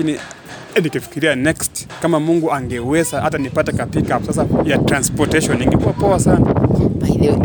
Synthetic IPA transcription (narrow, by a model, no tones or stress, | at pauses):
kini | nikifi̥kiɾianɛkstkamamuŋɡuaŋɡɛwɛsahatanipatɛkapikapsas̬ajatɾanspɔtɛʃɔniŋɡɛpuapɔwasanaail